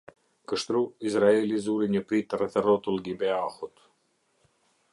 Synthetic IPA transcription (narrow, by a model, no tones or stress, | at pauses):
kəʃt̪ɾuizɾaelizuɾiɲəpɾit̪rɛθɛrɔt̪ulɡibɛaxut̪